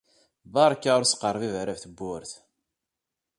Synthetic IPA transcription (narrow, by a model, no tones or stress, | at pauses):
bɑɾˤkːaʊɾsqərˤvivɾævθəbːʊɾθ